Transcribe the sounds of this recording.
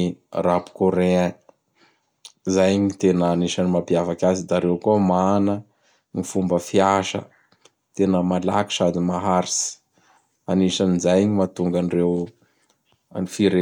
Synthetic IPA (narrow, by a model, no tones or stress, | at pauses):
irapu̥koɾe | zajɲit̪enəːniʃanimapijafakʲasid̪aɾewkumanə | nifumbəfiaʃə̰ | t̪enəmala̰ki̥ʃad̪imaɦaɾisi̥ | aniʃanizajɲimat̪uŋɡanirew | nifiɾe